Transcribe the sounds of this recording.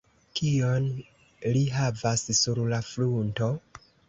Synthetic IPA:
kion | liɦavassuɾlafɾunto̞

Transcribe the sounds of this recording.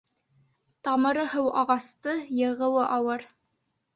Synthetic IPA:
t̪ɑmɤ̆ɾɤhɘwɑʁɑst̪ɤjɤ̆ʁɤ̆wɤʔɑwɤɾ

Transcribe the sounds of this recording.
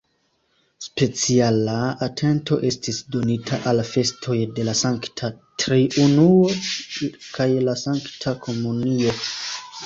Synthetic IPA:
spe̞t͡sialaatʰe̞nto̞̰ʔe̞stisdo̞nitʰaʔalfe̞stʰo̞jde̞lasaŋktʰatɾiʔunuo̞ | kajlasaŋktʰakʰo̞munio̞

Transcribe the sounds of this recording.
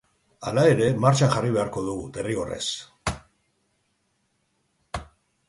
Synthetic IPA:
a̰lae̞ɾe̞maɾt͡ʃanʝariβe̞aɾko̞ðuɣut̪e̞rio̞re̞̰s

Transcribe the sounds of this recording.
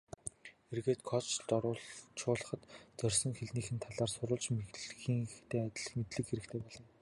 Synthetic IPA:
xerɣeːt̪kʰɔt͡ɕɮt̪ɔɾʊːt͡ɕʰʊːɮə̆χə̆t̪t͡sœrʲsɞ̆ŋxeɮniːxɘ̆nt̪ʰaɮaːrsʊɾʊːɮt͡ɕmeɮxiːŋxt̪ʰeːat̪ʲɪ̆ɮmet̪ɮɘ̆kxeɾɘ̆kt̪ʰeːpɔɮɞ̆n

